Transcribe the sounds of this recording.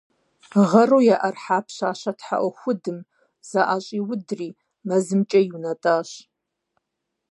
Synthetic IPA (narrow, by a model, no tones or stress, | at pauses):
ʁɐruːjaʔɐrħaːpʰɕaːʃɐtʰħa̰ʔʷɔxʷʊdɨm | z̥aʔaɕʼiːwʊdriː | mɐzɨmt͡ʃʼɐjunɐtʼaːɕ